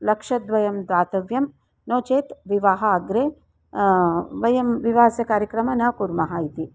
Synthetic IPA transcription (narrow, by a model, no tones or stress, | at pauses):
lɐkʂɐd̪ʋɐjɐmd̪ʋaːt̪ɐʋjɐm | noːt͡ʃeːt̪ʋiʋaːɦɐːɡɾe | ʋɐjɐmʋiʋaːsɐkaːɾjɐkɾɐmɐnɐkuɾmɐɦaːjit̪i